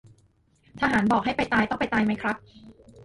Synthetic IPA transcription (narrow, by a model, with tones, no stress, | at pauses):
t̪ʰa˧ɦaː˩˦nbɔː˨˩k̚ɦa˥˩jpa˧jt̪aː˧jt̪ɔ˥˩ŋpa˧jt̪aː˧jma˦˥jkʰɾa˦˥p̚